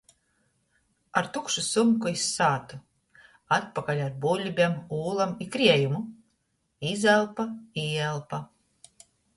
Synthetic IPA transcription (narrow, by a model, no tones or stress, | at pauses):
aɾt̪ukʃusumkuisaːt̪u | at̪̚pakalʲaɾbulʲibʲɛmuːlˠamikɾiɛjumu | izælˠpaiɛlˠpa